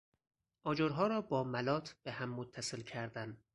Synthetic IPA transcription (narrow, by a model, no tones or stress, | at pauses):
ʔɒːd͡ʒoɾɦɒːɾɒːbɒːmælɒːt̪ʰb̥eɦæmːot̪ʰːæselcʰæɾd̪æn